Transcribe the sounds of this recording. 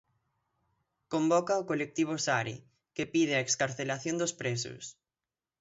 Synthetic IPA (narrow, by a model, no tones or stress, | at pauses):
kombɔkaokolek̚t̪iβ̞osaɾɪ̰ | kepið̞ɪɐekskaɾθelaθjond̪ospɾesʊ̰s